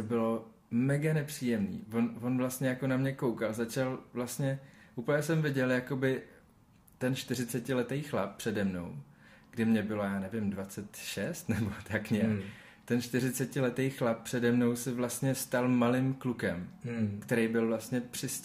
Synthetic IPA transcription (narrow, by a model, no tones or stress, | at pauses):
t̪obɪlo̞ | mɛɡanɛpr̝̥iːjɛmnḭːvo̞nvo̞nvlast̪ɲɛjakonamɲɛko̞wkalzat͡ʃalvlast̪ɲɛʔuːpəɲɛsɛmvɪɟɛljako̞bɪ | t̪ɛnʃt̪ɪr̝ɪt͡sɛcɪlɛt̪ejxlap̚pr̝̥ɛdɛmno̞̰w | ɡ̥dɪmɲɛbɪlo̞jaːnɛvɪmdvat͡sɛt̪ʃɛst̪nɛbot̪ʰakɲɛ | t̪ɛnʃt̪ɪɾɪt͡sɛcɪlɛt̪ejxlap̚pr̥ɛdɛmno̞wsɛvlast̪ɲɛst̪almalɪmklukɛmkt̪ɛɾejbɪlvlast̪ɲɛpr̥ɪs